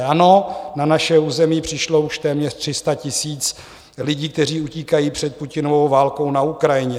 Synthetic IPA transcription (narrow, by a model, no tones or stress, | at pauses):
ano̞nanaʃɛuːzɛmipr̝̥ɪʃlo̞uʃt̪ɛːmɲɛr̥t̪r̥ɪst̪acɪsiːt͡s | lɪɟiːk̚t̪ɛr̝iːuciːkajiːpr̝̥ɛt̪̚pucɪnovowvaːlkownaukɾajɪɲɛ